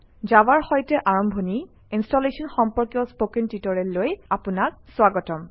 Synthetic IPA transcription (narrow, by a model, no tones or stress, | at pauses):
zawaɹxɔjtɛʔaɹɔmbʱɔni | instɔlesɔnxɔmpɔɹkjɔspokentitɔɹɛllojapunakswaɡɔtɔm